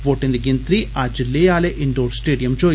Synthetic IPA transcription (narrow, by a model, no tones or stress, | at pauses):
ʋoːʈːind̪iɡint̪ɾiaːd͡ʒilːeːjaːleʔiɳɖoːɾsʈeːɖijɐmd͡ʒo